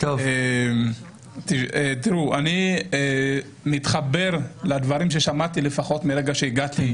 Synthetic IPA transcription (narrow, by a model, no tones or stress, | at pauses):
t̪ovem | t̪iet̪iʁuʔanie | mit̪χabe̞ʁlad̪vaʁimʃe̞ʃamat̪ile̞faχo̞t̪miɾeɡaʃeiɡat̪i